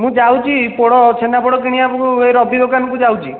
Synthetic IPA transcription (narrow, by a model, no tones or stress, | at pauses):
mũd͡ʒawt͡ʃʰipɔɽɔt͡ʃʰenapɔɽɔk̬iɽ̃iapɔkueɾɔbʱid̪okankud͡ʒawt͡ʃʰi